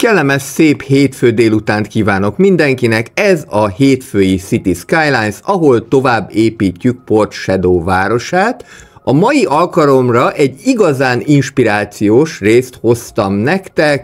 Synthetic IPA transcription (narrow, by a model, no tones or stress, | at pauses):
kɛlːɛmɛʃseːpheːt̪føːd̪eːlut̪aːnt̪kiːvaːno̞kmind̪ɛŋkinɛkɛzɒheːt̪føːjisit̪iskaːjlaːjnsɒɦo̞lt̪o̞vaːbːeːpiːcːyk̚po̞rt̪ʃɛd̪oːvaːɾo̞ʃaːt̪ | ɒmɒjiʔɒlkɒlo̞mrɒʔɛɟːiɡɒzaːninʃpiɾaːt̪sijoːʃreːst̪ho̞st̪ɒmnɛkt̪ɛk